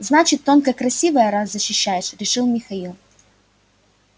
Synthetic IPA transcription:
znat͡ɕɪt̪ːonkəkɾɐsʲivəjəɾazzəɕːɪɕːæjɪʂɾʲɪʂɨlˠmʲɪxɐilˠ

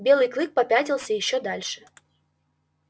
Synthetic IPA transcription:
bʲelˠɨjklˠɨk̚pɐpʲatʲɪlˠsʲəjɪɕːod̪alʲʂɨ̥

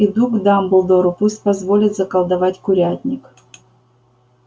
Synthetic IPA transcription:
id̪uɡd̪ambʊlˠd̪oɾʊpuspɐzvolʲɪt̪zɐkɐlˠd̪ɐvatʲkʊɾʲat̪ʲnʲɪk

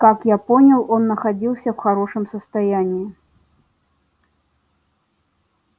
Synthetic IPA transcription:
kakjapɔnʲɐlˠɔnːɐxad͡zʲilˠsʲɐwxaɾɔʂɨmsɐst̪ajanʲː

